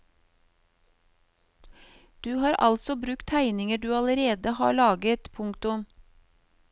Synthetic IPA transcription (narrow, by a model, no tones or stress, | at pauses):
d̪̥ʉːhɑːɾʔɑ̰lsɔbɾʉkt̪ʰæɪnɪŋəɖʉːɑləɾeːd̪əhɑ̰ːɭɑːɡət̪pʰʊŋkt̪ʊm